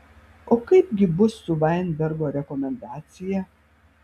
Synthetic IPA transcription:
oːkɐɪpɡʲɪbʊsːʊʋɐˑɪnbʲɛɾɡoːɾʲɛkɔmʲɛnd̪ɑːt̪sʲɪjɛ

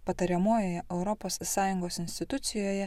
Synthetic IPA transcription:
pɐt̪ɐɾʲɛmoːjoːjɛʔɛʊɾɔpoːsːɑːjʊŋɡoːsɪnʲsʲt̪ʲɪt̪ʊt̪sʲɪjoːjɛ

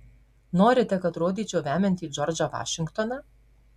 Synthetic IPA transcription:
noːɾʲɪt̪ʲɛkɐt̪ɾoːd̪ʲiːt͡ʃʲoːʋʲæːmʲɛnʲt̪ʲiːd͡ʒɔɾd͡ʒɐʋɑ̰ːʃʲɪŋkt̪ɔnɐ

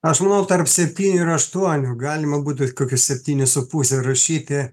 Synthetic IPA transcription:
ɐʃmɐnɐʊt̪ɐrpsʲɛpʲt̪ʲiːnʲʊɪɾɐʃt̪uɔnʲʊɡɑːlʲɪmɐbuːt̪ʲʊkoːkʲʊsʲɛpʲt̪ʲiːnʲʊsʊpuːsʲɛrɐʃʲiːt̪ʲɪ

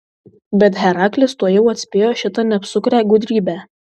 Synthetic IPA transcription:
bʲɛt̪ɦæɾɑːklʲɪst̪uɔjɛʊɐt̪ʲsʲpʲeːjoːʃʲɪt̪ɑnʲɛpsʊkɾʲæːɡʊd̪ʲɾʲiːbʲæ

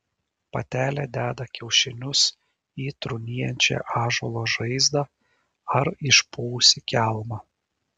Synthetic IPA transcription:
pɐ̰t̪ʲæːlʲæd̪ʲæːd̪ɐkʲɛʊʃʲɪnʲʊs | iːt̪ɾʊnʲiːjɛnʲt͡ʃʲɛ̰ʔɑːʒolˠoːʒɐɪzd̪ɑː | ɐɾɪʃpuːsʲɪkʲælˠmɑː

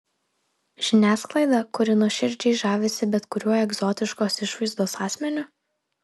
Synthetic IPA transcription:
ʒʲɪnʲæːsklˠɐɪd̪ɑˑkʊɾʲɪnuɔʃʲɪɾʲd͡ʒʲɛɪʒɑːʋʲɪsʲɪbʲɛt̪kʊɾʲuɔjɛɡzɔːt̪ʲɪʃkoːsɪʃʋɐɪzd̪oːsɑːsʲmʲɛnʲʊ

